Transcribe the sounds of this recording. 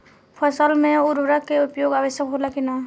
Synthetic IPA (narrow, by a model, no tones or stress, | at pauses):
pʰəsəlmẽʊɾʋɾəkːeʊpjoːɡaʋəʃjəkɦolakina